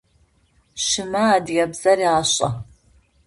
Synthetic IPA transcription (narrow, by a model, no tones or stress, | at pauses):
ʃɪmɐːdjɐbz̥ɐriaːɕʼɐ